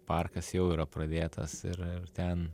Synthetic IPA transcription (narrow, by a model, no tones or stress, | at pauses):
pɑrkɐsjɛʊiːɾɐpɾɐd̪ʲeːt̪ɐ̰sɪrɪrt̪ʲɛn